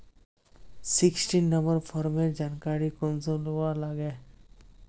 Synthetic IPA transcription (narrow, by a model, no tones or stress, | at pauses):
sɪksʈinːə̃mbəɾfʰɔːɾmẽd͡ʒaːnkaːɾikʊnsõlualaɡeː